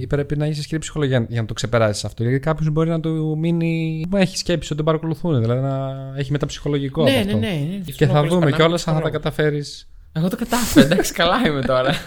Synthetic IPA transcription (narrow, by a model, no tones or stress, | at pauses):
ipɾe̞pinɐeçisiskiɾipsi̥xoloiɐʝɐnɐt̪o̞kse̞pe̞ɾɐsi̥sɐft̪oilɐðikɐpço̞zbo̞ɾinɐt̪uminieçi̥sce̞psiot̪bɐɾɐko̞luθuneðilɐðinɐeçimet̪ɐpsi̥xo̞lo̞ʝikoɐefnonenceθɐvðummeceo̞lɐsɐθɐt̪ɐkɐt̪ɐfe̞ɾis | eɣot̪okɐt̪ɐfeɾed̪ɐksi̥kɐlɐimet̪o̞ɾɐ